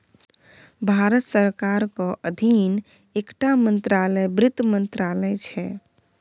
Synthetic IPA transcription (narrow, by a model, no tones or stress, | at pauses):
bʱaɾət̪səɾkaɾkɔʔəd̪ʱin | ekʈamənt̪ɾalɛbɾɪt̪mənt̪ɾalɛt͡ʃʰɛ